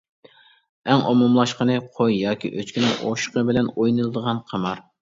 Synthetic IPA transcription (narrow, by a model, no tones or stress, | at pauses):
ɛŋomumlˠɑʃqənɨqʰojjɑːkʲḭʔøt͡ʃkʲinɪŋʔo̰ʃqəbɪlɛnojnɨlˠɨd̪əʁɑnqʰɑmɑɾ